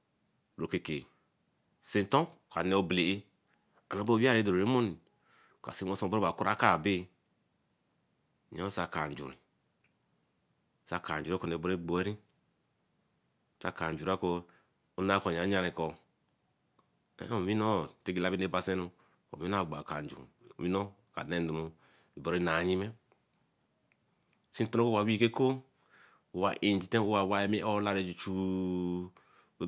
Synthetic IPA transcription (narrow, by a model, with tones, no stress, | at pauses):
ɾo˨ke˨ke˨ | si˨n˨to˦ka˨ne˨o˦ble˨e˦ | a˨no˨˦bo˦wa˦ɾe˦do˨ɾɾe˦mo˦ni˨ | ka̰˨si˦o˦so˦˨bo˦a˨ku˦ɾa˦ka˦˨be˦˨ | ɲa˦sa˨ka˨n˨d͡ʒṵ˨ɾḭ˨ | sa˦˨ka˨n˨d͡ʒu˨ɾe˦ko˨e˨bo˦ɾe˦ɡ͡bo˨e˦ɾi˦˨ | sa˦˨ka˨n˨d͡ʒu˨ɾa˦ko˦ | u˦na˦ko˨ɲ˨a˨˦ɲa˦ɾe˨kɔ˨ | ḛ˦o˨mi˦no˦˨te˦ɡi˨la˦bi˦ne˦˨ba˨se˦nu˦ | ko̰˨i˦n˦a˦˨ɡ͡ba˨ka˨n˨d͡ʒṵ˨mi˦no˦ | ka̰˨ne˦n˦du˨mu˨ | i˨bo˨ɾe˦na˨ɲi˦me˦ | si˦n˦to˦no˦ko˦wa˨wi˦ke˦ko˦ | u˨wa̰˨ʔe˨n˨d͡ʒi˨te˦u˦wa˨wa˦je˦me˦ʔo˦la˦ɾe˨d͡ʒu˨t͡ʃu˦